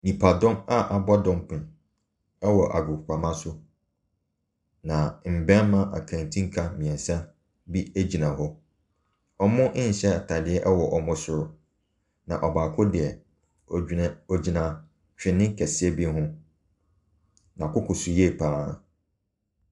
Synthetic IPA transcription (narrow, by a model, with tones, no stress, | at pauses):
nĩ˨pʰa˨dɔ̃˦ma˦ʔa˨ba˦dɔ̃˦m˦pʰɪ̃˨n | ɛ˦wɔ˨ʔa̰˨ɡʊ˨kʰʷa˨mã˦sʊ˦ | nã˨m̩˨bɛ̃˦n˦mã˦ʔa̰˨kʰã˨n˨tʰĩ˦ŋ̩˦kʰa˦mĩ˨ɛ̃˨sa˦ | bi˦e˦d͡ʑi˨nã˨ɦɔ˦ | ɔ˨mʊ̃˦ʔɪ̃˦n̩˨ɕɛ˦˨tʰa˨dɪ˦ɛ˦ʔɛ˦wɔ˨ʔɔ˨mʊ̃˦sʊ˨ɾʊ˦ | nã̰˨ʔɔ˨baː˨kʰʊ˦dɪ˨ɛ˨ | ɔ˨ɔ˨d͡ʑi˨nã˨ | t͡ɕᶣɪ̃˨nɪ̃˦ŋ˦kʰɛ˨sɪ˦ɛ˦bi˦ɦʊ̃˦ | nã˨kʊ˦kʰʊ˨sʊ˨jɛ˦˨pʰaː˦˨